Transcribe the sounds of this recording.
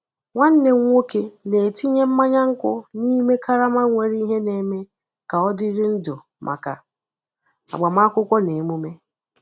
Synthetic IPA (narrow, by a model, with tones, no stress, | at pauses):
ŋʷa˦n̩˦ne˨ŋʷ˦o˦ke˨ne˨ti˦ɲe˦m̩˦ma˦ɲa˦ŋ̩˦kʷʊ̰˦ni˦me˦kʰa˦ɾa˦ma˦ŋʷe˨ɾi˦ɦe˦ne˨me˦ | ka˨ɔ˦dɪ˦ɾɪ˦n̩˦dʊ˨ | mʔa̰˨ka̰˨ | a̰˨ɡ͡ba˨ma˦kʷʊ˦kʷɔ˦ne˨mu˦me˦